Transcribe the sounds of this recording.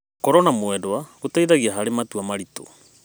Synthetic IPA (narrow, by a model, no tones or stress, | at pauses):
kɔɾɔnamwɛdoaɣotaiðaɣiaɦaɾematuamaɾito̰